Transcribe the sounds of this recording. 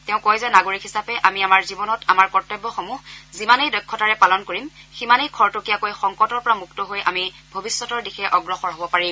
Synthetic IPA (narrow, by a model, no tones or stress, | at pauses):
tɛʊ̃kojzɛnaɡoɹikɦisapɛʔamiamaɹzibɔnɔtamaɹkɔɹtɔbːɔxomuɦzimanejdɔjkʰːɔtaɹɛpalɔnkoɹimximanejkʰɔɹtʊkijakojxɔŋkɔtɔɹpɔɹamuktɔɦojʔa̰mibʱobisːɔtɔɹdixɛʔɔɡɹɔxɔɹɦobɔpaɹi